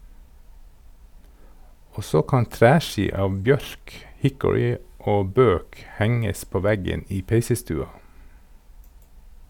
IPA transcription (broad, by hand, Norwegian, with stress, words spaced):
ˈoː ˈsoː ˈkɑn ˈtɾæːˌʃiː ˈɑːʋ ˈbjœɾk ˈhɪkʊɹɪ ˈoː ˈbøːk ˈhɛŋəs ˈpoː ˈʋæɡən ˈiː ˈpeɪsəˌstʉːɑ